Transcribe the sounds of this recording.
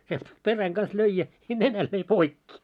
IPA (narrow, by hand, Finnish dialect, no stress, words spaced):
sielt peræŋ ɡ̊ɑn̆s løi jɑ nenæl løi poikːi